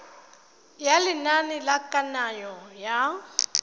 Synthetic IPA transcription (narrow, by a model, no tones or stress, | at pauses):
jalɪnanɪlakʼanajɔja